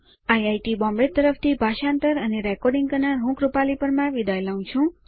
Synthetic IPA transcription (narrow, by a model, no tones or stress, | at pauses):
ajajʈibɔ̃mbet̪ːəɾəft̪ʰibʱaʃãnt̪əɾəneɾɛkɔɾɖĩŋɡkəɾnaɾɦũkɾupalipəɾmãʋid̪ajlaũt͡ʃʰũ